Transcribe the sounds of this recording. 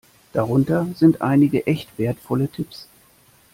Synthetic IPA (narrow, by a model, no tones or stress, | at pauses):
d̥aʁʊntɐzɪntʔa̰ɪnɪɡəʔɛçtv̥eːɐtfɔlətʰɪps